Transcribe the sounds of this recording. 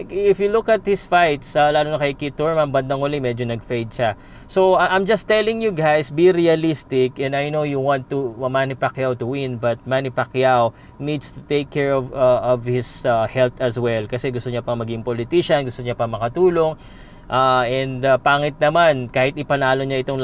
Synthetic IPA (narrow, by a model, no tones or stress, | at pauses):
ɪfjulʊkɐt̪̚hɪsfajt̪salaːlonɐkɐjkit̪ːuɹmɐmbɐnd̪ɐŋʊlɪmɛd͡ʒonɐɡ̚fejd̪̚ʃɐ | soʔãjmd͡ʒɐst̪ːɛlɪ̃ŋjuɡajsbiɾiɐlist̪ɪkɛ̃nd̪ajnowjuwãnt̪ːumanɪpakjawt̪ʊwɪ̃nbɐt̪̚manɪpakjaw | nid̪st̪u̥t̪ejkʰːɛɹɔvaʔɔvhɪsahɛlt̪ɐswɛlkɐsɛɡʊst̪oɲɐpɐŋmɐɡɪɪŋpolɪt̪iʃɐnɡʊst̪oɲɐpɐŋmɐkɐt̪uːloŋ | ʔaʔɛ̃nd̪ɐpaːŋɪt̪̚nɐmankaːhɪt̪ɪpɐnaːlo̞ɲaʔɪt̪oŋ